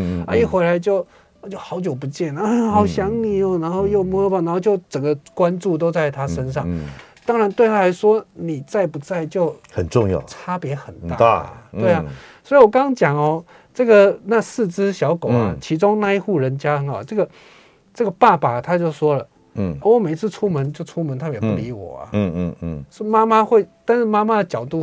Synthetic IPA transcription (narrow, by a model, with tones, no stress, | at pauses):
ə˞˧˥ɕjɛ˨˩xwe˧˥ɪla˧˦ɪt͡ɕjo˥˧ʊ˩ | t͡ɕjo˥˩ʊxɑ˧˥ʊt͡ɕjo˨˩ʊp̬u˧˥t͡ɕjɛ˥˩na˧˦ə˧nxɑ˨˩ʊɕjɑ˧˥ŋni˨˩ɔ˨˩na˧˥nxo˥˧ʊjo˥˩ʊmu˧˥˧a˨˩n˧˦nxo˥˧t͡ɕjo˥˩ʊʈ͡ʂə˨˩ŋɡə˦kwa˦nʈ͡ʂu˥˨˧t̪o˥ʊt͡sa˥˩ɪt̪ʰa˥˦ʂə˥nʂɑ˥˩ŋ | t̪ɑ˥ŋɻa˧˦nt̪we˥˧ɪt̪ʰa˥˩a˧˥ɪʂwɔ˥ni˨˩t͡sa˥˩ɪpu˧˥t͡sa˥˧ɪt͡ɕjo˥˩˧ʊxə˨˩nʈ͡ʂʊ˥˧ŋjɑ̰˥˩t͡sʰa˥pjɛ˧˥xə˨˩nt̪a̰˥˧˨t̪we˥˩ɪɐ˨˩swɔ˧˥i˨wɔ˨˩kɑ˥ŋt͡ɕjɑ˨˩ŋɔ˨˩ | ʈ͡ʂɤ˥˩ɡə˨˩na˥˧sɹ̩˥˩t͡sɹ̩˥ɕjɑ˧˥ʊko˨˩ʊɐ˦t͡ɕʰi˧˥ʈ͡ʂʊ˥ŋna˥˧i˥˩xu˥˩ɻə˧˦nt͡ɕja˥ə˧˦ŋɑ˨˩ʈ͡ʂɤ˥˩ɡə˩ | ʈ͡ʂɤ˥˩ɡə˩pa˥˩pa˨˩˨t̪ʰa˥t͡ɕjo˥˩ʊʂwɔ˥lə˨ | ɔ˧˩wɔ˧˦me˨˩ɪt͡sʰɹ̩˥˩ʈ͡ʂʰu˥mə˧˦nt͡ɕo˥˩ʊʈ͡ʂʰu˥mə˧˦nt̪ʰa˥˩jɛ˨˩˦pu˥˧˩li˧˥wɔ̰˨˩ɐ̰˦˧sɔ˥ma˥ma˦xwe˥˩ɪt̪a˥˧nʂɻ̩˥˩ma˥ma˦˥d̪ə˨t͡ɕjɑ˨˩ʊt̪u˥˩